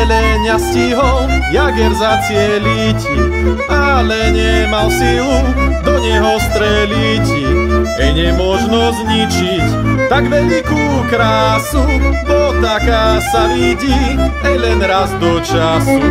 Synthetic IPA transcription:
lɛɲasciɦɔljaɡɛɾzat͡sɪɛlic | alɛɲɛmalsilud̪ɔɲɛɦɔst̪ɾɛlic | ɛjɲɛmʊɔʒnɔzɲit͡ʃict̪aɡʋɛʎikukɾaːsud̪ɔt̪akasaʋiɟiɛjlɛnɾazd̪ɔt͡ʃasi

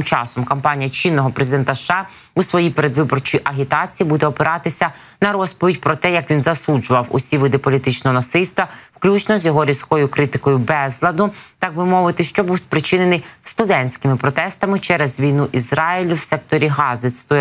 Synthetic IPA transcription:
mt͡ʃɑ̰sɔmkɐmpɑnʲijɐt͡ʃinːɔɦɔpɾezʲɪd̪ɛnt̪ɐʃːɑ | usʋɔjipeɾe̞d̪ʋɪbɔrt͡ʃijʔɐɦʲit̪ɑt͡sʲijibud̪ɛɔpeɾʔɑt̪ɪsʲɐ | nɐɾɔspɔʋʲitʲpɾɔt̪ɛjɐkʋʲinzɐsud͡ʒʊʋɐwʊ̰sʲiʋɪd̪ɪpɔlʲit̪ɪt͡ʃnɔɦɔnɐsɪlʲst̪ʋɐwklʲut͡ʃnɔzʲjɔɦɔɾʲizkɔjʊkɾɪt̪ɪkɔjʊbɛzlˠɐd̪ʊt̪ɑk̚bɪmɔʋɪt̪ɪʃt͡ʃɔbuwspɾɪt͡ʃɪnenɪjst̪ʊd̪ɛnʲsʲkɪmɪpɾɔt̪ɛst̪ɐmɪt͡ʃɛɾɛzʋʲijnuʔizɾɑilʲʊwsɛk̚t̪ɔɾʲiɦɑzɪt̪st̪ɔ

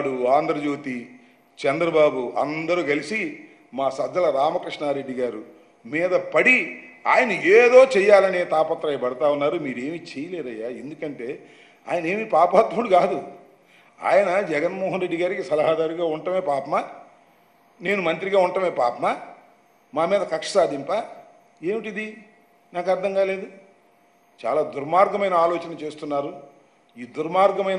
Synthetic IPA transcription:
ɽuaːnd̪ɾɐd͡ʒoːt̪i | t͡ʃɛnd̪ɾɐbaːbuɐ̰nd̪ɐɾuːɡɐlisi | maːsɐd̪ːɐlɐɾaːmɐkɾiʂɳaːɾe̞ɖːiɡaːɾu | miːd̪ɐpɐɽia̰ːjɐnɐeːd̪o̞ːt͡ʃɛjːaːlɐnet̪aːpɐt̪ːɾaːjɐbɐɽɐt̪aːunːaːɾumiːɾe̞ːmit͡ʃejɐle̞ːd̪ɐjːaːe̞nd̪ukɐɳʈe̞ː | a̰ːjɐneːmipaːpaːt̪ʋɐɽukaːd̪u | a̰ːjɐnɐd͡ʒɛɡɐnmɔːɦɐnɾe̞ɖːiɡaːɾikisɐlɐɦaːd̪aːɾiɡaːuɳʈɐmeːpaːpɐmaː | ne̞ːnumɐnt̪ɾiɡaːuɳʈɐmeːpaːpɐma | maːmiːd̪ɐkɐkʂɐ̥saːd̪impaː | e̞ːmiʈid̪i | naːkɐɾd̪ʱɐŋɡaːle̞ːd̪u | t͡ʃa̰ːlaːd̪uɾmaːɾɡɐmɐjnɐaːlɔːt͡ʃɐnɐt͡ʃe̞ːst̪unːaːɾu | iːd̪uɾmaːɾɡɐmɐj

